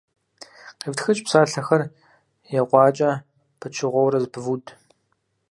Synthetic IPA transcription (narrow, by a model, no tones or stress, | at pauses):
qivtxɨt͡ʃʼpsaːɬɐxɐr | jɛqʷɑːt͡ʃʼɐ | pʰɨt͡ʃʰɪʁʷɔwɾɐzbvudʰʼ